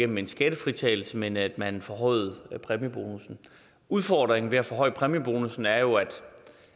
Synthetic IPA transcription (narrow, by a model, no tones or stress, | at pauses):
en̰m̩e̝nsɡ̥æd̥əfʁit͡sʰɛ̰ːl̩səmenæd̥mænfɒɦɒ̽ɪ̰ð̩ˠpʰʁɛməb̥o̝ːnusn̩ | uð̞ˠfɒːd̥ʁeŋn̩ʋe̝æfɒhɒ̽ɪ̰pʰʁɛmjib̥o̝ːnusn̩æɐjo̝æd̥